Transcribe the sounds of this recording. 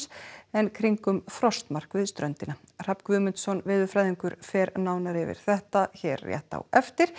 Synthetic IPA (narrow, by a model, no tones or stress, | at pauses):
sɛnkʰɾiŋkʏmfɾɔst̪mar̥kvɪðst̪ɾœnt̪ɪnar̥apkvʏːmʏnt̪sɔnvɪːðʏfɾajðiŋkʏɾfɛːɾnaːwnaɾɪvɪ̰ɾ̥θɛht̪açɛːɾːjɛ̰ht̪a̰wɛft̪ɪɾ̥